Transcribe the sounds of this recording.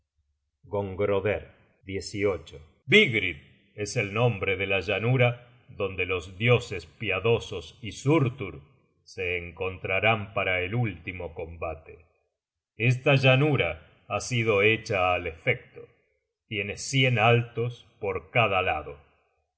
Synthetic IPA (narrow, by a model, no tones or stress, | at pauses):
ɡo̞ŋɡɾoðeɾ | d̪jesio̞t͡ʃo | biɣɾið | e̞se̞lnõ̞mbɾe̞ðelaʒanuɾa | ðo̞nd̪e̞lo̞zðjo̞sespjaðo̞sosisuɾt̪uɾ | se̞ːŋko̞nt̪ɾaɾampaɾaelult̪imoko̞mbat̪ḛ | es̬t̪aʒanuɾa | asið̞o̞e̞t͡ʃaːle̞fek̚t̪o̥ | t̪je̞nesje̞nalt̪o̞s | poɾkaðalaðo̞